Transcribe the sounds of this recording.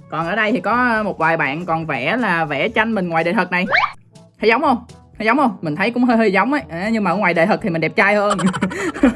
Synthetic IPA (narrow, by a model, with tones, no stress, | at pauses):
kɔ˨˩nʔəː˧˩ɗə˧jt̪ʰi˨˩kɔ˨˦˧mo˨˩t̚vaː˨˩jɓa̰ː˧˨nkɔ˨˩nvɛ˧˩laː˨˩vɛ̰˧˩t͡ɕa˧jŋ̟mï˨˩ŋ̟ŋwaː˨˩jɗḛ˧˨˩t̪ʰə˨˩k̚na˨˩j | hʰə˨˧˦jza˨˦wŋ͡mhə˧wŋ͡m | həː˧jza˨˦wŋ͡mhə˧ŋ͡mmï˨˩ŋ̟t̪ʰə˨˦jkʊ̰˧˥ŋ͡mɦəː˧jhəː˧jza˨˦wŋ͡mʔa˨˦ʔa˨˦ɲɨ˧ŋmaː˨ʔəː˧˩ŋwaː˨˩jɗḛ˧˨˩t̪ə˨˩t̪ʰi˨mï̟˨˩ɗɛ˨˩p̚t͡ɕaː˧jhəː˧n